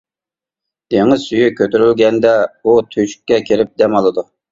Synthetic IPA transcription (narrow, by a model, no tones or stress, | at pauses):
d̪̥eŋɪzsyjykʲʰøt̪yɾylɡʲɛnd̪ɛut̪ʰøʃkʲːɛkʲʰeɾɪp̚d̪ɛmɑlˠɨd̪u